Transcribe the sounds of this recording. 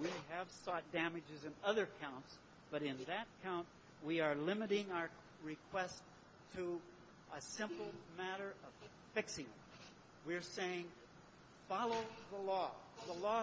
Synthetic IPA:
wiɨv̥sɔt̚d̥æmɨd͡ʒɨzɨ̃nʌðə˞kʰãʊ̃nts | b̥ʌɾɨ̃nðɨt̚kʰãʊ̃nʔ | wiə˞lɪ̃mɨɾɪ̃ŋaʊə˞ | ɹɨkʰw̥ɛstʰ | ə | ʔəsɪ̃mpl̩ˠmæɾə˞ʌv̥ | fɪksɪ̃ŋɨ̰̃m | wi˞seɪɪ̃ŋ | fɑlˠoʊðəlɔðəlɔ

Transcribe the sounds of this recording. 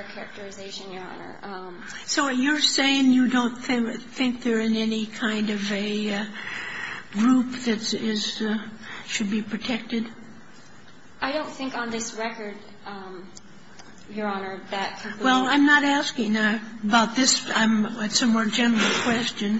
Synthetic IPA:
kʰɛɹɨk̚tə˞ɨzeɪʃɨ̃njə˞ɑ̰nə̰˞ | soʊwʌt͡ʃə˞seɪɪ̃ŋjɨdõʊ̃nθɪ̃ŋθɪ̃ŋk̚ðə˞ɨ̃nɛnikʰãɪ̃ndʌvɨ | ɡɹup̚ðɨtɪz̥ | ʃɨd̚bipʰɹ̥ɨtʰɛk̚tɨd̥ | ʔaɪɾõʊ̃nθɪ̃ŋkn̩ðɪsɹɛkə˞d̚ | jə˞ɑnə˞ðɨt̚kʰɨwɛlˠãɪ̃mnəɾæskɪ̃ŋəbaʊt̪̚ðɪsãɪ̃mɨtsʌ̃mwɔɹd͡ʒɛ̃nə˞ɨl̩ˠkʰw̥ɛst͡ʃɨ̃n

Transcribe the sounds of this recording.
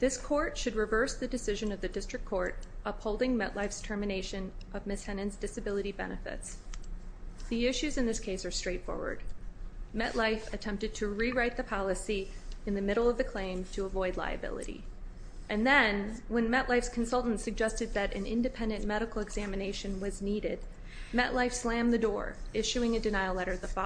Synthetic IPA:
ðɪskʰɔɹtʃɨd̚ɹɨvɜ˞sðɨdɨsɪʒɨ̃nʌvðɨdɪstɹ̥ɨkʰɔɹɾʔʌphoʊlˠdɪ̃ŋmɛ̰ʔˡlaɪfstʰɜ˞mɨneɪʃɨ̃nʔʌvmɪshɛnɨ̃nzdɨsɨbɪlˠəɾibɛ̰nɨfɪ̰ts | ðiɪʃʉzɨ̃nðɪskʰeɪsə˞stɹ̥eɪtfɔ̰ɹwə̰˞d̥̚mɛ̰ʔlaɪfɨtʰɛ̃mp̚tɨd̚tʰɨɹiɹaɪt̪̚ðɨpʰɑlˠəsiɨ̃nðɨmɪɾl̩ˠʌvðɨkʰl̥ẽɪ̃mtʰəəvɔɪdˡla̰ɪɨ̰bɪ̰lˠɨ̰ɾḭ | ʔɨ̃nðɨ̃nwə̃nmɛʔlaɪfskʰn̩sʌlˠʔn̩tsɨɡ̚d͡ʒɛstɨd̪̚ðɨɾɨ̃nɪ̰̃ndɨpʰɛ̃ndɨ̃nmɛɾɨkl̩ˠəɡz̥æmɨneɪʃɨ̃nwʌzniɾɪd̚ | mɛʔlaɪfslæ̃mðɨdɔ̰ɹɪʃʉɪ̃ŋɨdɨnaɪl̩ˠlɛɾə˞ðəfɑ

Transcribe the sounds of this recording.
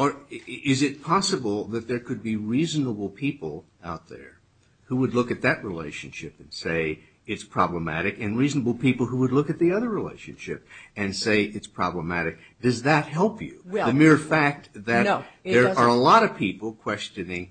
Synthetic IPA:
ə˞ɪzɨt̚pʰɑsəbl̩ˠðɨt̪̚ðə˞kʰɨd̚biɹizn̩əbl̩ˠpʰipl̩ˠ | aʊt̪̚ðə̰˞ | huwədˡlʊkɨt̪̚ðɨʔ̚ɹilḛɪʃɨ̃nʃɪpɨ̃n̩seɪ | ɨtspʰɹ̥ɑ̰bləmæ̰ɾɨkɨ̃nɹiznəbl̩ˠpipl̩ˠɦuwədˡlʊkɨt̪̚ðiʌðə˞ɹilḛɪʃɨ̰̃nʃɪp̚ɨ̃nseɪʔɨtspʰɹ̥ɑ̰bləmæɾɨk̚ | d̥ʌzðɨt̚hɛlˠpʰjʉ̰wðɨmɪɹfæk̚t̪̚ðɨt̪ðə˞ə˞əlɔɾʌv̥pʰipl̩ˠkʰw̥ɛst͡ʃɨnɪ̃ŋ

